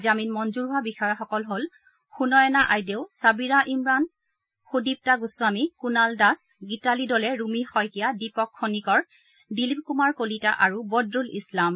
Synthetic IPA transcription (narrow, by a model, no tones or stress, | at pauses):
zaminmɔnzuɹɦʊwabixɔjɔxɔkɔlɦol | xunɔjɛnaʔajdeʊsabiɹaʔimɹan | xudip̚taɡuswamikunaldas | ɡitalidɔlɛɹumixɔjkijadipɔkʰːonikɔɹ | dilip̚kumaɹkolita̰ʔaɹubɔdɹulḭslam